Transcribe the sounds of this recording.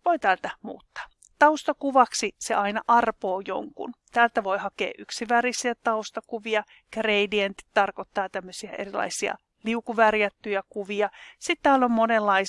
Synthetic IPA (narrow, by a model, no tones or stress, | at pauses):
ʋoit̪æːlt̪æmṵːt̪ːɑ̥ː | t̪ɑust̪ɑkuʋɑksisḛʔɑinɑʔɑrpoːjo̰ŋkṵnt̪æːlt̪æʋo̞jhɑkḛːʔʔyksiʋærisiæt̪ɑust̪ɑkuʋiɑ | kreidient̪i̥tt̪ːɑrkot̪ːɑːt̪æmːøsiæʔerilɑ̰isiɑ̰ | liukuʋærjæt̪ːyjækuʋiɑsit̪t̪æːlːommonelːɑi